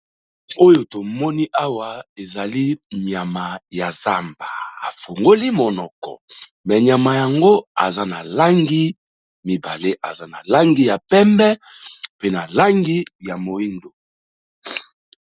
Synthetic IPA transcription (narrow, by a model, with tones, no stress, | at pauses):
o˦jo˨to˨mɔ˦ni˦ʔa˦wa˨e˨za˨li˦ɲa˨ma˨ja˨za˦mba˨a˨fo˨ŋɡo˦li˦mo˨nɔ˨kɔ̰˨ | mɛ˨ɲja˨ma˨ja˨ŋɡo˦a̰˨za˦na˨la˦ŋɡi˦ | mi˨ba˨le˦ʔa˨za˦na˨la˦ŋɡi˦ja˨pɛ˦mbɛ˦ | pe˦na˨la˦ŋɡi˦ja˨mo˨i˦ndo˨